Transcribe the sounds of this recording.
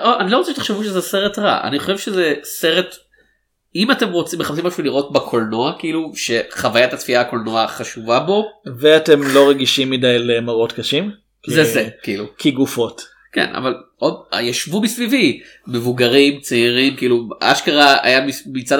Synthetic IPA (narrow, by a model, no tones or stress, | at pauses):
oʔanilo̞ʁot͡seʃet̪e̥χʃevuʃezese̞ʁetʁa̰ʔa̰niχo̞ʃevʃezese̞ʁet | imate̞mʁot͡simːeχapsimaʃuliʁot̚bakʰo̞lno̞akiiluʃe̞χavajatatfiako̞lno̞aχaʃuvabo̞veate̞mlo̞ʁeɡiʃimːidajlemaʁo̞tkaʃim | kzezekiilukʰiɡufo̞t | kḛnʔa̰valʔoda̰jaʃvumisvivi | me̞vuɡaʁimt͡seiʁimkiːlua̰ʃkaʁaa̰jamimit͡sad